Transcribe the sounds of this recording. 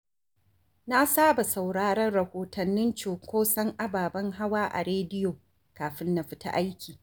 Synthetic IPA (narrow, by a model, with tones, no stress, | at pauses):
na˦saː˦ba˨sa˨wɽaː˦ɽɐ˦rɽɐ˨hoː˨tɐ˨nːɪ˦nt͡ʃoː˨kʷoː˦sɐ˦ŋʔa˦baː˨bɐ˦ŋɦa˦waː˦ʔa̰˨ɾeː˦dɪ˦joː˨ | kaː˨ɸɪ˦nːɐ˨ɸɪ̥˦ta̰˦ʔa˦jkʲiː˨